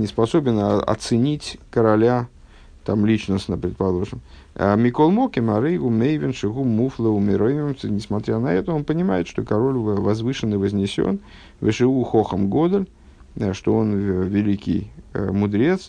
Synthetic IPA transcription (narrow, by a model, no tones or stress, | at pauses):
nʲɪspasobʲɪnɐ̰t̪sɨnʲit͡sʲkəɾalʲa | t̪amlʲit͡ʃnəsnəpɾʲɪt̪̚palˠoʐɨm | mʲikolˠmokʲɪmaɾɨjɣumʲejvʲɪnʂɨɣumuflˠəumʲɪɾojmʲɪmɨnʲɪsmat̪ɾʲanɐɛt̪əonpənʲɪmajɪt̪ʂt̪okaɾolʲvazvɨʂɨnɨvəzʲnʲɪsʲo̰n | vʲɨʂɨuxoxəmɡod̪əlʲ | ʂt̪oonvʲɪlʲikʲḭjmʊd̪ɾʲet̪s